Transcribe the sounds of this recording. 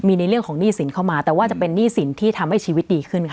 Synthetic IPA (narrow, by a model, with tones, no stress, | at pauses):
miː˧na˧jɾɯ˥˩əŋkʰɔː˩˦ŋniː˥˩si˨˩˦nkʰa˥˩wmaː˧t̪ɛː˨˩waː˥˩t͡ɕa˨˩pe˧nːiː˥˩si˩˦nt̪ʰiː˥˩t̪ʰa˧mha˥˩jt͡ɕʰiː˧wi˦t̪̚diː˧kʰɯ˥˩nkʰ